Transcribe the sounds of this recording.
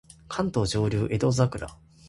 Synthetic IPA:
kʰãnt̪o̞ːʑo̞ːɾʲuːʔe̞d̪o̞zakɯ̟ɾa̰

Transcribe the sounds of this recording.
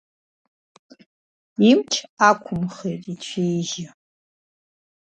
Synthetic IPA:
imt͡ʃʰaːkʷʰʊmχerit͡ʃʷʰeːjʒɪ

